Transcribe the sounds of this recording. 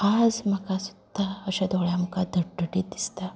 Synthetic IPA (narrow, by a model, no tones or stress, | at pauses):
ad͡zməkasu̥d̪̥ʱaəɕad̪oɭjaməkad̪ʱəʈ̚ɖəʈid̪ist̪a